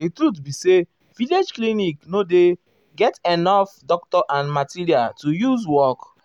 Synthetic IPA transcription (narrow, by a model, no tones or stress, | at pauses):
ditɹutbise | viled͡ʒkliniknode | ɡɛtenɔfdɔk̚tɔʔãnmatiɾialtujuzwɔk